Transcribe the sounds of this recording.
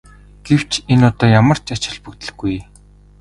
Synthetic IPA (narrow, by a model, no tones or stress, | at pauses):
ɡ̥ew̥t͡ɕʰenʊt̪ɔːjamə̆r̥t͡ɕat͡ɕɪ̆ɮpɵkt̪ɘ̆ɮɡuj